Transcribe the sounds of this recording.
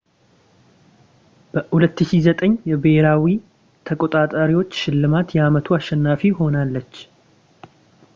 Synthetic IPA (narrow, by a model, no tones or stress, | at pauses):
b̥əhulət̪ːɨʃizət̪ʼəɲːjɛbeheɾawi | t̪ʰəkʼot̪ʼat̪ʼaɾiwo̞t͡ʃːʃɪlːɨmat̪jɛamət̪ʰuaʃːɛnːafiho̞nalːət͡ʃː